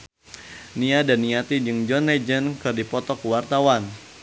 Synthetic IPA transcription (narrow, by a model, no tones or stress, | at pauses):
niadanːiat̪id͡ʒɨŋd͡ʒɔnlɛd͡ʒənkɨrdipɔt̪ɔkuwart̪awan